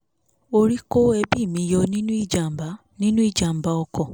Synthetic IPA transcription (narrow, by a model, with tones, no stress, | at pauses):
o˧ɾi˦ko˦ɛ˧bi˦˨mĩ˧jɔ˧nĩ˦nũ˦i˦˨d͡ʒa˨m̩˨ba˨˦ | nĩ˦nũ˦i˦˨d͡ʒa˨m̩˨ba˨˦ɔ˧kɔ˦˨